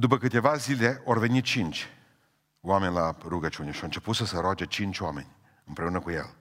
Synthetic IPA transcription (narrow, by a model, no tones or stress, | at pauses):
d̪upəkɨt̪e̞vazile̞ʔoarve̞nit̪t͡ʃint͡ʃʲ | wame̞nʲlaruɡət͡ʃune̞ʃiawɨnt͡ʃe̞put̪səseɾoad͡ʒet͡ʃint͡ʃʲoame̞̰nʲ | ɨmpɾe̞unəkujḛl